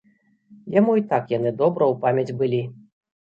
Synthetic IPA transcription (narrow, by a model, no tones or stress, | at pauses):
jamuit̪akjanɨd̪ɔbɾɐwpamʲɐd͡zʲbɨlʲi